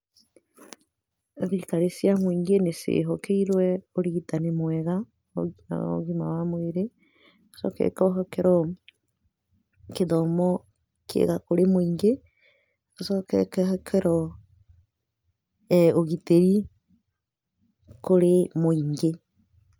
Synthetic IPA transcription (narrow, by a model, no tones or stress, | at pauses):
ðiikaɾesjamoiŋɡenesḛɦɔkeiɾwɛoɾiɣitanemwɛɣa̰ | o̰ɣimawamweɾe | o̥sɔ̰kɛ̰kɔɦɔkɛɾɔ | keðɔmɔ | kʰḛɣakoɾemoiŋɡe | ɣosɔkɛ̰kɛhɛkʰɛɾɔ | ɛoɣiteɾi | koɾemoiŋɡe